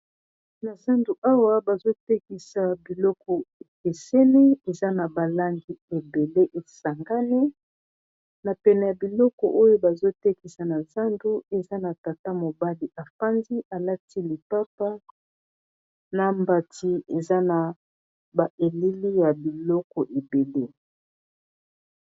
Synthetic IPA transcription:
na˨sa˦ndu˨ʔa˦wa˦ba˨zo˦tɛ˦ki˨sa˨bi˨lɔ˦kɔ˨e˨ke˨sɛ˦ni˦e˨za˦na˨ba˨la˦ŋɡi˦e˨be˨le˦ʔe˨sa˨ŋɡa˦ni˦ | na˨pɛ˨nɛ˨ja˨bi˨lɔ˦kɔ̰˨ʔo˦jo˦ba˨zo˦tɛ˦ki˨sa˨na˨za˦ndu˦e˨za˦na˨ta˨ta˦mo˨ba˦li˨ʔa˨fa˦nzi˦ʔa˨la˦tʰi˦li˨pa˦pa˦ | na˨mba˨ti˦e˨za˦na˨ | ba˨ʔe˨li˦li˦ja˨bi˨lɔ˦kɔ˨ʔe˨be˨le˦

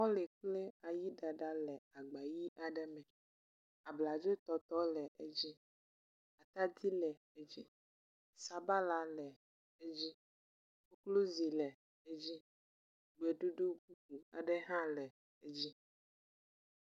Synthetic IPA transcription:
wɔ̃˦le˨k͡ple˦a˨ji˦ɖa˨ɖa˦lɛ˨a˨ɡ͡ba˨ji˦ʔa˨ɖɛ˦mɛ̃˨ | a˨bla˨d͡ʒe˦t̪ɔ˨t̪ɔ˦lɛ˨ʔe˦d͡ʑi˦ | a˨t̪a˦d̪i˦lɛ˨ | e˦d͡ʑi˦ | sa˨ba˦la˨lɛ˨ | e˦d͡ʑi˦ | wo˦klo˦zi˨lɛ˨ | e˦d͡ʑi˦ | ɡ͡be˨ɖu˦ɖo˦ɡu˦ku˨a̰˨ɖɛ˦ɦã˦lɛ˨ | e˦d͡ʑi˦

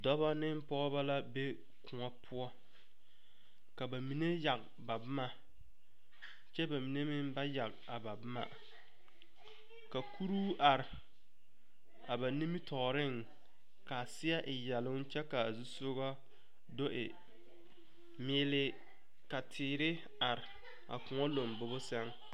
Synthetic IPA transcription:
dɔ˦βa˦nɪ˦m˦pɔ˦ba˦la˦be˦ | kʊ˨ŋa˦pʰʊ˦ɔ˦ | ka˨ba˨mi˨ne˦ja˨ɡ | ba˨bʊ˦ma˨ | t͡ʃɛ˦ba˨mi˨ne˦mɪ˦mba˦ja˨ɡ | a˨ba˨bʊ˦ma̰˨ | ka˨kʰu˦ɾuː˦ʔa˨ɾɪ˨ | a˨ba˨ni˦mi˦tʰɔː˨ɾɪ˦˨ŋ | ka˨sɪ˦a˦ʔɪ˨jɛ˨lʊ˦n˦t͡ʃɛ˦ka˨zu˦sʊ˦ɣɔ˦ | do˦ʔɪ˨ | mɪː˦lɪ˦ | ka˨tʰɪː˨ɾɪ˦ | a˨ɾɪ˨ | a̰˨kʊ˨ŋɔ˦lo˨mbʊ˨bʊ˦sɛ˦ŋ

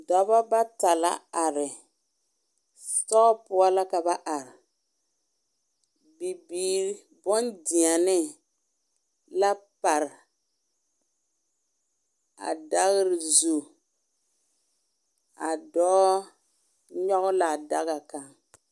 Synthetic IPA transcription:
dɔ˨˦ba˦ba˦ta˨la̰˦a˨ɾɪ˨ | tɔ˦pʊ˦a˦la˦ka˨ba˦ʔa˨ɾɪ˨ | bi˨biː˨ɾ | bɔ˦ndɪ˨a˨nɪ˦ | la˦pa˨ɾɪ˨ | a̰˨da˦ɣɪ˦ɾɪ˨zu˨ | a˨dɔː˦ | ɲɔ˦ɣʊ˦la˨da̰˦ɣa˨ka˨ŋ

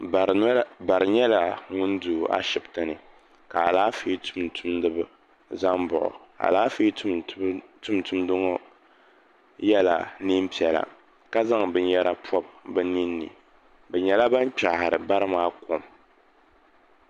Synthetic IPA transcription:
ba˨ɾɨ˨ɲɛ˦la˨ŋʊ˦n˦duː˨ʔa̰˦ʃɪ˨btɨ˨nɨ˨ | ka˨a˨laː˦fi˦tʊ˦mtʊ˦mnɨ˦b | za˦mbʊ˨ʔʊ̰˨ | a̰˨laː˦fi˦ttʊ˦mtʊ˦mdɨ˦ŋɔ˦ | jɛ˦la̰˨ni˦m˦pi˨ɛ˨la̰˨ | ka˦za˦ŋbɨ˨ɲ˦jɛ˦ɾa˦pʰɔ˦b̚bɛ˦ni˦nːɨ̰˨ | bɛ˨ɲɛ˨la˦ba˦n˦k͡pa˨hɾɨ˨ba˦ɾɨ˦maː˦kʰo˨m

